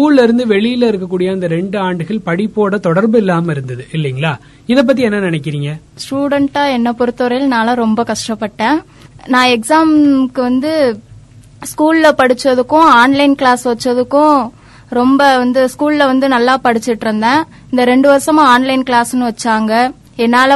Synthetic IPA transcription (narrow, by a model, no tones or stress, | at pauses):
skuːllɪɾɯnd̪ɯʋɛɭɪjɪlɐɪɾɯk̬ːɐkːuːɽɪjɐɪnd̪ɐɾɛɳɖɯaːɳɖɯɣɐɭpɐɽɪpːoːɽɐt̪ɔɽɐɾbɯɪlːaːmɐɪɾɯnd̪ɐðɯʔɪlːɛŋɡɐɭaː | ɪðɛp̬ːɐt̪̬ːiɛnːɐnɪnɛk̬ːɪɾiːŋɡɐ | sʈuːɽɛɳʈaːɛnːɐpɔɾɯt̪ːɔɾɐjɪlnaːlɐɾɔmbɐkɐʂʈɐpːɐʈːẽː | nãːɛksaːmkɯʋɐnd̪ɯ | skuːllɐpɐɽɯt͡ʃːɐðɯkːʊ̃aːnlɐɪnkɭaːsʋɐt͡ʃːɐðɯkːʊ̃ | ɾɔmbɐʋɐnd̪ɯskuːllɐʋɐnd̪ɯnɐlːaːpɐɽɪt͡ʃːɯʈːɾɯnd̪ẽː | ɪnd̪ɐɾɛɳɖɯʋɐɾɐsɐmãaːnlɐɪnkɭaːsɯnːɯʋɐt͡ʃːaːŋɡɐ | ɛnːaːl